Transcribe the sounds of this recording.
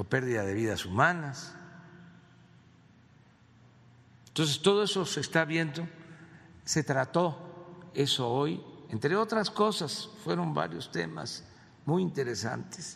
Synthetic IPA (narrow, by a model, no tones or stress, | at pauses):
ope̞ɾðiðaðe̞βiðasumanas | ent̪o̞ns̬e̞st̪o̞ð̞o̞e̞so̞sest̪aβjend̪o | se̞t̪ɾat̪o̞eso̞oje̞nt̪ɾe̞o̞t̪ɾasko̞sasfwe̞ɾo̞mba̰ɾjo̞st̪e̞̰ma̰s | mujint̪e̞ɾe̞sa̰nt̪e̥s